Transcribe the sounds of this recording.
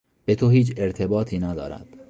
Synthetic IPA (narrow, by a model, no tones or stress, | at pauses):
b̥e̞t̪ʰoɦiːt͡ʃʰeɾt̪ʰe̞bɒːt̪ʰiːnæd̪ɒ̰ːɾæ̰d̪̥